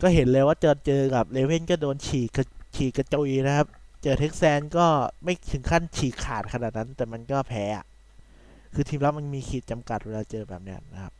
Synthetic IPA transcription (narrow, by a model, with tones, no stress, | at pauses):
kɔː˥˩ɦe˩˦nlɤː˧jwaː˥˩t͡ɕɤː˧˩t͡ɕɤː˧ka˨˩p̚leː˧we˥˩nkɔː˥˩doː˧nt͡ɕʰiː˨˩a˧t͡ɕʰiː˨˩ka˧t͡ɕu˧jna˦˥kʰa˦˥p̚t͡ɕɤː˧˩t̪ʰe˦˥k̚sɛː˧nkɔː˥˩ma˥˩jt̪ʰɯ˨˩˦ŋkʰa˥˩nt͡ɕʰiː˨˩kʰːaː˨˩t̪̚kʰa˧naː˨˩t̪̚na˦˥nt̪ɛː˨˩ma˧nkɔː˥˩pʰɛː˦˥a̰˨˩ʔ | kʰɯː˧t̪ʰiː˧mlɛ˦˥wma˧nmiː˧kʰiː˨˩t̪̚t͡ɕa˧mka˨˩t̪̚weː˧laː˧t͡ɕɤː˧bɛː˨˩p̚na̰˦˧˥nːa˦˥kʰa˦˥p̚